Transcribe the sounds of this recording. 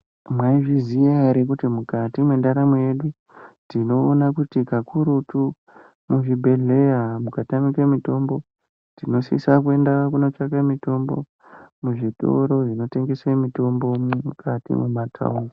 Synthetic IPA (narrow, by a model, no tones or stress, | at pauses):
mwaiʐizijaaɾek̬utimukatimwendaɾameje̞ɗu | tino̞ːnakutikakʰuɾutu | muʐibʱe̞ɮe̞jamukatamikemito̞mbo̞ | tino̞sḭsak̬ue̞ndakuno̞t͡ʃakamito̞mbo̞̰ | muʐiɗo̞̰ɾo̞ʐino̞te̞ŋɡe̞swemito̞mbo̞mukʰatḭmumatʰa̰uŋɡo